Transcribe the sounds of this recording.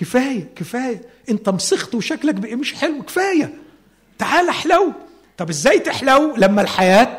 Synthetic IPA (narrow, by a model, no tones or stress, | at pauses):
kefæːjækefæːjæʔent̪æmsext̪weʃæklækbeʔæmeʃħelweke̥fæːjæ | t̪aʕaːlæħlæw | t̪ˤɑbʔezːæːjt̪eħlæwlæmːælħajæːt̪̚